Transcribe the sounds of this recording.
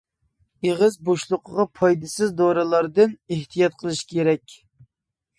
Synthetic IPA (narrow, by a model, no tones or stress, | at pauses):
eʁəzboʃlˠʊqʰəʁɑpʰɑjd̪ɨsɨzd̪oɾɨlˠɑɾd̪ɨneht̪ʰijɑt̪̚qʰəlˠɨʃi̥kʲʰeɾɛkʲ